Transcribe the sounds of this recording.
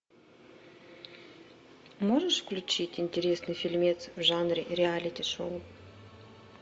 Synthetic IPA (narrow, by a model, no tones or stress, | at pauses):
moʐəʂfklʲʉt͡ɕitʲɪnʲtʲɪɾʲesnɨfʲɪlʲmʲet̪svʐanɾʲɪɾʲɪalʲɪtʲɪʂoʊ